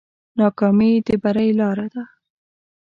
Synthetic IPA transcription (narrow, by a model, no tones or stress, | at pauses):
nɑkɑmid̪əbaɾajlɑɾad̪a